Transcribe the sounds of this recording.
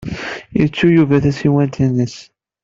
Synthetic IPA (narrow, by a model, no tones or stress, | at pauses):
iət͡sːujuvæθæsiwænt̪inːəs